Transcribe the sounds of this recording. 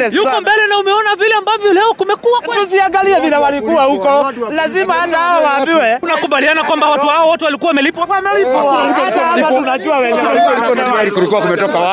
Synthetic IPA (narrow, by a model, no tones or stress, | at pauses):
lɛjukɔmbɛlɛnaumɛɔnavilɛambavjɔlɛɔkumɛkuakɛtuziaŋɡaliɛvilɛwalikuwahukɔlazimaatahawawaːbiwɛunakuɓalianakwambawatuhawɔwɔtɛwalikuwawamɛlipamɛlipamutikualiatunaʄuawɛɲɛaalikɔnaaɾikulikuwakumɛtɔkawa